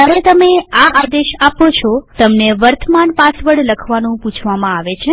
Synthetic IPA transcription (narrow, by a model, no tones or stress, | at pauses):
aɾet̪əmeaʔad̪eʃapot͡ʃʰɔt̪əmneʋəɾt̪ʰəmanpasʋəɽləkʰʋanũput͡ʃʰʋamãaʋet͡ʃʰe